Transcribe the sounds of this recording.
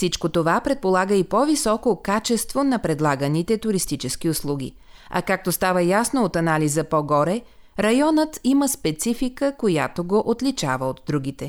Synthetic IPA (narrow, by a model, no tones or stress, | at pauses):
sit͡ʃkot̪ovapɾɛt̪̚polˠaɡəipɔvisɔkokat͡ʃɛst̪vonɐpɾɛd̪lˠaɡənit̪ɛt̪ʊɾist̪it͡ʃɛsk̟iʊslˠuɡ̟ʲḭ | ɐ̰kak̚t̪ost̪avəjasnoot̪ɐnalizəpɔɡɔɾɛ | ɾɐjɔnət̪iməspɛt̪sifikəkoja̰t̪oɡoʔot̪lit͡ʃa̰vəot̪d̪ɾuɡ̟it̪ɛ